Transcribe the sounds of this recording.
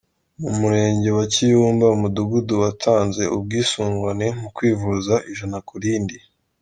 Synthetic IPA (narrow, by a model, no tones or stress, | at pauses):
umuɾe̞ːɲɟe̞wacijuːmbaumuduɡuduwatʰaːnze̞ʔub̚ɡiːsuːŋɡane̞m̥ukwiːvuzaʔiʒanakuɾiːndi